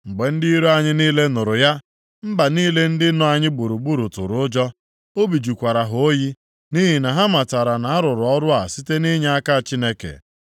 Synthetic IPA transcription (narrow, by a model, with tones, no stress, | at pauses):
ŋ͡m̩˨ɡ͡be˨n̩˦di˦i˦ɾo˦a˦ɲɪ˦niː˦le˦nʊ˨ɾʊ˨ja˦ | m̩˦ba˨niː˦le˦n̩˦dɪ˦nɔ˦a˨ɲɪ˦ɡ͡bu˨ɾu˨ɡ͡bu˦ɾu˨tʊ̰˨ɾʊ˨ʊ˦d͡ʒɔ˦ | o˦bi˨d͡ʒu˨kʷa˨ɾa˨ɦʊo˦ji˦ | ni˦ɦi˨na˨ɦa˦ma˨ta˨ɾa˨na˨a˦ɾʊ˨ɾʊ˨ɔ˦ɾʊ˦a˨si˦te˦ni˦ɲa˦a˦ka˦˨t͡ʃi˦ne˦kḛ˨